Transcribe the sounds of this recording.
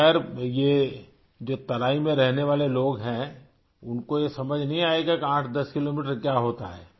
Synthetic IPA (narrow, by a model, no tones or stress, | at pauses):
ɛːəɾje | d͡ʒoːt̪ɐɾaːimẽɾɛɦneʋaːleloːɡɦɛ̃ | ʊnkojesɐməd͡ʒʱnɐɦĩaːeɡakiãːʈʰd̪ɐskɪloːmiːʈ̬əɾkjaːɦoːt̪a̰ɦɛː